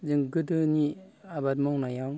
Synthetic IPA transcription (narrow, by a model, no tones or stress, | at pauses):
zɯŋɡɯdɯniabadmɔwnajaŋ